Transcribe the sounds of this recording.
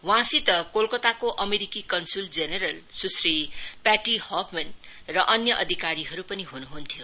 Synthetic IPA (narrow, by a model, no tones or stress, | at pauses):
wãsit̪ʌkolkʌt̪akoʔʌmeɾikikʌnsuld͡zeneɾʌlsusripaʈihopmenrʌʔʌnjʌʔʌd̪ʱikaɾiɦʌɾupʌniɦunuɦunt̪ʰjo